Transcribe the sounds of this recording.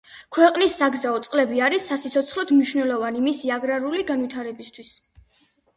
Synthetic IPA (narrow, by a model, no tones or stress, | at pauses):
kʰwɛqʼnisːaɡzaɔt̪sʼqʼlɛbiaɾisːasit̪sʰɔt̪sʰχlɔd̪mniʃvnɛlɔvanimisiaɡɾaɾuliɡanvwit̪ʰaɾɛbist̪ʰwis